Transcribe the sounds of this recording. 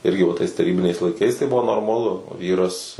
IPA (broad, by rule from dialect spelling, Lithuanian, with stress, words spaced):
ˈɪrʲɡʲɪ ʋɐ tɐɪs tɐˈrʲiːbʲɪnʲɛɪs lˠɐɪˈkɐɪs tɐɪ ˈbʊʋoː noːrmɐˈlˠʊ ˈʋʲiːrɐs